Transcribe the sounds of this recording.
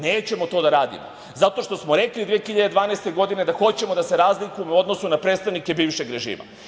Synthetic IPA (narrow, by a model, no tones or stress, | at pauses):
neːt͡ɕe̞mo̞t̪od̪aɾaːd̪ḭmo̰ | zat̪o̞ʃt̪o̞smoɾe̞klid̪ʋiexiʎad̪e̞d̪ʋaːneːst̪e̞ɡo̞d̪ine̞d̪axo̞t͡ɕe̞mo̞d̪ase̞ɾaːzlikuemuo̞d̪nosunapɾeːt̪st̪aʋnikebiːʋʃe̞ɡɾeʒḭːma̰